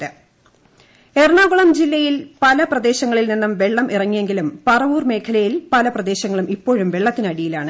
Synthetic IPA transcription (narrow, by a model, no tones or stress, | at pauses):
ɨ | erɳaːɡuɭɐmd͡ʑilːɐjilpɐlɐprɐd̪e̞ːɕɐŋːɐɭilninːɐmʋe̞ɭːɐmʔirɐŋːije̞ŋɡilumpɐrɐʋuːrme̞ːkʰɐlɐjilpɐlɐprɐd̪e̞ːɕɐŋːɐɭumipːo̞ːɻumʋe̞ɭːɐt̪ːinɐɽijilaːɳɨ